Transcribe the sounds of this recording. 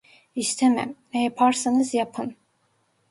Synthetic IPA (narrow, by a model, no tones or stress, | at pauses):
ist̪ʰemæ̰mnɛjapʰaɾsanɯzjapʰɯn